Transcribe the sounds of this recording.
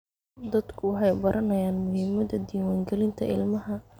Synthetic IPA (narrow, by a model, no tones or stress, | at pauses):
d̪ɐd̪kʰʊwɑħɑjbɐɾʔɐnɐjaːnmʊɦɪmɐðɐd̪iːwaːŋɡɛlɪnt̪ʰɐɪ̰lmɐɦɐ